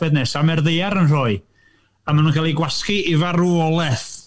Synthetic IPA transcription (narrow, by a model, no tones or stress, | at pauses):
b̥ɛdnɛsamɛrðejaɾənroːɨ | amanunkʰalˠiɡwaskiivaɾuɔlˠɛθ